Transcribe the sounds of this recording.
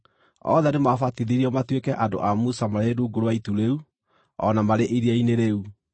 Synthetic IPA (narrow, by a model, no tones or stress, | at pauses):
ɔ̰ðɛnemafatiðiɾiɔmatwekɛʔado̰ʔamusamaɾeɾuːɡoɾowaituɾeu | ɔnamaɾeʔiɾiaineɾeu